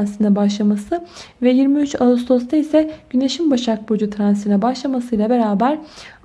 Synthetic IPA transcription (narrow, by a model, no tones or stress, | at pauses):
nsɯnɛbaʃlˠamasɯ | vɛjiɾmiyt͡ʃalˠust̪ʰo̞st̪ʰaisɛɟ̥yne̞ʃimbaʃak̚bo̞d͡ʒut̪ʰɾansɯnɛbaʃlˠamasɯjlˠabe̞ɾaːbæɾ